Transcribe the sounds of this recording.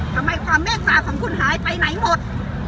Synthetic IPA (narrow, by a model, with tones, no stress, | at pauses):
t̪ʰa˧mːa˧jkʰɔː˨˦˥mːɛː˥˩kʰwaː˧˩kʰɔː˩˦ŋkʰu˧nhaː˨˦jpa˧jna˨˩˦jmo˨˩t̪̚